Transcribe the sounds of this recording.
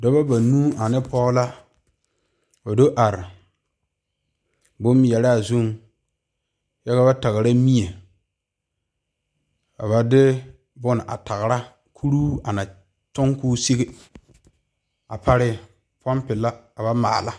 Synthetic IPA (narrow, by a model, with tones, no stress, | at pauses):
do˦ba˦ba˨nuː˦a˨nɪ˦pɔ˦la˦ | ba˨do˦ʔa˨ɾɪ˨ | bʊ˦m˦jɛ˨ɾa˦a˨zu˦m | ja˦ka˦ba˦ta˨ɣɾa˦mi˦e˨ | a˨ba˨dɪ˦ | bʊ˦n˨ʔa̰˨ta˨ɣɾa˦ | kʰu˦ɾuː˦a˨na˨ | t͡ʃʊ˦ŋkuː˦se˦ɣe˦ | a˨pʰa˦ɾɪ˦ | pɔ˦mpɪ˨la˦a˨ba˦ma̰ː˨la˦